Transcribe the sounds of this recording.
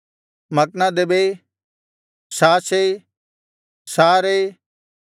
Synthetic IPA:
mɐk̚nãd̪ebe | saːse | saːɾe

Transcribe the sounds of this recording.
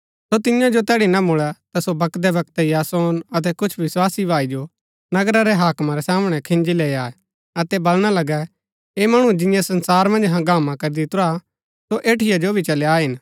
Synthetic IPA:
sot̪ɪjãd͡ʒot̪ɛːɽinɐmʊɭɛt̪asobɐkd̪ɛʋɐk̚t̪ɛijaːsoːnɐt̪̬ɛkʊt͡ʃʰʋɪswaːsibʱaːid͡ʒo | nɐɡɾaɾɛɦaːkmaɾɛsaːmɽ̃ɛkʰɪ̃nd͡ʒileːaːɛ | ɐt̪ɛbɐlɽ̃alɐɡɛ | eːmɐɽ̃ũd͡ʒɪ̃jãsɐ̃nsaːɾmɐ̃nd͡ʒɦɐ̃ɡaːmãkɐɾid̪it̪ʊɾa | soʔeːʈʰɪjad͡ʒobʱit͡ʃɐlaːɦɪn

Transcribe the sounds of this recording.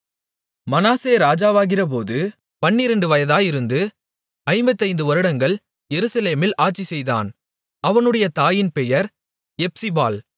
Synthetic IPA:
mɐnaːseːɾaːd͡ʒaːʋaːɣɪrɐp̬oːðɯ | pɐnːɪɾɐɳɖɯʋɐjɐðaːjɪɾɯnd̪ɯ | ɐɪmbɐt̪ːɐɪnd̪ɯʋɐɾɯɽɐŋɡɐɭ | jɛɾɯsɐleːmɪlʔaːʈ̚t͡ʃisɛjða̰ːn | ɐʋɐnɯɽɐjɐt̪aːjɪnpɛjɐɾ | ɛp̚sɪba̰ːl

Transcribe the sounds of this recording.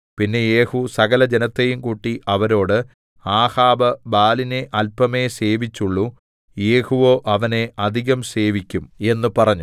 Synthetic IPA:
pinːe̞je̞ːhusɐɣɐlɐd͡ʑenɐt̪ːejumkuːʈːiʔɐʋɐɾo̞ːɽɨ | aːhaːbɐbaːline̞ʔɐlpɐme̞se̞ːʋit͡ɕːuɭːu | jeːhuʋo̞ːʔɐʋɐne̞ʔɐd̪ʱiɣɐmse̞ːʋikʲːume̞nːɨpɐrɐɲːu

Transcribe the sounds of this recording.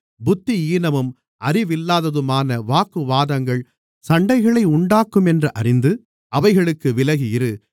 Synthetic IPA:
bʊt̪ːiiːnɐmɯm | ʔɐrɪʋɪlːaːðɐðɯmaːnɐʋaːkɯʋaːðɐŋɡɐɭ | sɐɳɖɐɪɣɐɭɐɪʊɳɖaːkːɯmɛndrɐʔɐrɪnd̪ɯ | ʔɐʋɐɪɣɐɭɯkːɯʋɪlɐɣɪjɪɾɯ

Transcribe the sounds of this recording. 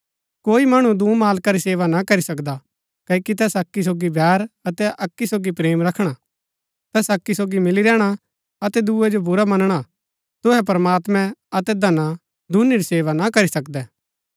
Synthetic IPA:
koːimɐɽ̃ud̪uːmaːlkaɾiseːʋanakɐɾisɐkd̪a | kɐikit̪ɛsɐkːis̬oːɡibʱɛːɾɐt̪ɛʔɐkːisoːɡipɾeːmɾɐkʰɽ̃a | t̪ɛːsɐkːisoːɡimɪliɾɛːɽ̃a | ɐt̪ɛd̪uːɛd͡ʒobʊɾamɐnəɽ̃a | t̪ʊɦɛp̬ɐɾmaːt̪mɛ̃ɐt̪ɛd̪ɐna | d̪ʱʊniɾiseːʋanakɐɾisɐkd̪ɛː

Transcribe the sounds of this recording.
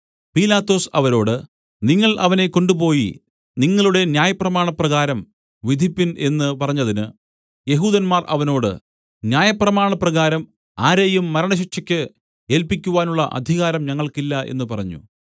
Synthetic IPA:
piːlaːt̪ːo̞ːsɐʋɐɾo̞ːɽɨ | niŋːɐɭʔɐ̰ʋɐne̞ko̞ɳɖupo̞ːji | niŋːɐɭuɽe̞njaːjɐprɐmaːɳɐprɐɣaːɾɐm | ʋid̪ʱipːine̞nːɨpɐrɐɲːɐðinɨ | je̞ɦuːðɐnmaːrʔɐ̰ʋɐno̞ːɽɨ̰ | njaːjɐprɐmaːɳɐprɐɣaːɾɐm | aːɾeːjumːɐɾɐɳɐɕ̬ikɕɐkʲːɨ | e̞ːlpikʲːuʋaːnuɭːɐʔɐ̰d̪ʱiɣaːɾɐmɲɐŋːɐɭkilːɐe̞̰nːɨpɐrɐɲːṵ

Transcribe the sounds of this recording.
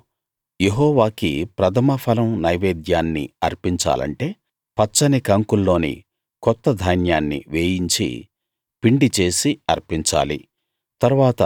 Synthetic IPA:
jeɦɔːʋaːkḭpɾɐt̪ʰɐmɐpʰɐlɐmnɐjʋeːd̪jaːnːḭɐɾpiɲt͡ʃa̰ːlɐ̰ɳʈe̞ː | pɐt͡ʃːɐnikɐŋkulːo̞ːnḭ | kɔt̪ːɐd̪ʱɐjnjaːnːḭʋeːjiɲt͡ʃḭ | piɳɖit͡ʃe̞ːsiɐɾpiɲt͡ʃa̰ːlḭ | t̪ɐɾuʋaːt̪ɐ

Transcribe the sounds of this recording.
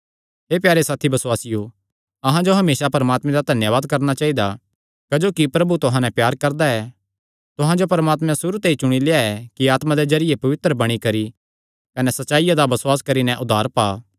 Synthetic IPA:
ɦeːpjaːɾesaːt̪ʰibɐsʊwaːsɪjo | ɐɦãd͡ʒoɦɐmeːsapɐɾəmaːt̪mɛ̃d̪ad̪ʱɐnjəʋaːd̪̚kɐɾnat͡ʃaːɦid̪a | kɐd͡ʒoːkipɾɐbut̪ʊɦãnɛ̃pjaːɾkɐɾd̪aɛ | t̪ʊɦãd͡ʒopɐɾmaːt̪mɛ̃sʊɾut̪eit͡ʃʊɽ̃ileːaɛkiaːt̪mãd̪ezɐɾɪjepɐʋɪt̪ɾəbɐɽ̃ikɐɾi | kɐnɛsɐtːʃaːijad̪abɐswaːskɐɾinɛ̃ʔʊd̪ʱaːɾpaː

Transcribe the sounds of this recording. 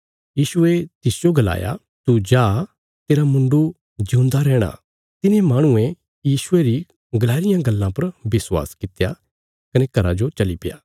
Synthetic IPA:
jiːʃʊet̪ɪsd͡ʒoɡɐla̰ːja̰ | t̪ud͡ʒaː | t̪eːɾamʊ̃ɳɖu | d͡ʒũːnd̪aɾɛːɽ̃a̰ | t̪ɪnemaːɽ̃ʊẽ | jiːʃʊeɾi | ɡɐlaːɾɪjãɡɐlːãpɐɾbɪswa̰ːskɪt̪ja | kɐnekɐɾad͡ʒot͡ʃɐlipɪja̰ː

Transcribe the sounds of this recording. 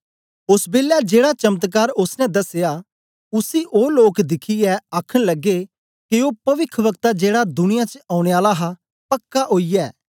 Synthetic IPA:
ʊsbeːljad͡ʒeːɽat͡ʃɐmət̪̬k̬aːɾʊsnɛ̃d̪ɐseja | ʊsiʔoːloːkd̪ɪkʰiɛaːkʰəɽ̃lɐɡːe | keoːpɐʋɪkʰʋəkt̪ad͡ʒeːɽad̪ʊnɪjat͡ʃəaːʊ̃ɽ̃eaːlaɦa | pɐkːaɦoːijɛː

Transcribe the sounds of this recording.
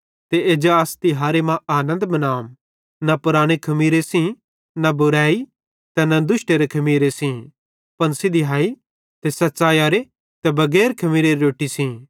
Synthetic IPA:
t̪eeːd͡ʒaast̪iɦaːɾemãaːnə̃nd̪mɐnaːm | napʊɾaːɽ̃ekʰɐmiːɾesĩ | nɐbʊɾaːi | t̪ɛnɐd̪ʊʃʈeɾekʰɐmiːɾesĩ | pɐnsid̪iɦaːi | t̪esɐtːt͡ʃaːjaːɾe | t̪ɛbɐɡɛːɾkʰɐmiːɾeɾeoːʈisĩː

